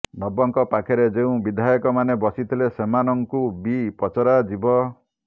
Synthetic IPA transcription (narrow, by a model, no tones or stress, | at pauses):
nɔbɔŋkɔpakʰeɾed͡ʒeũbid̪ʱajɔkɔmanebɔsit̪ʰilesemanɔŋkubipɔt͡ʃɔɾad͡ʒibɔ